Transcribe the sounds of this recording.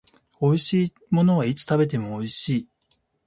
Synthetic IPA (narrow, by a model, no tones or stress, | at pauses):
o̞iɕiː | mo̞no̞β̞ait͡sɨ̥t̪abe̞t̪e̞mo̞ːiɕiː